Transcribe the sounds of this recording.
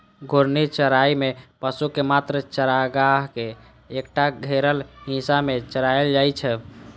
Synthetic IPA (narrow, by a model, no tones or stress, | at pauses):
ɡʱoɾnit͡ʃəɾaimepəsukemat̪ɾət͡ʃəɾaɡaɦkeː | k̚ʈaɡʱeɾəlɦĩsamet͡ʃəɾaeld͡ʒajt͡ʃʰɛ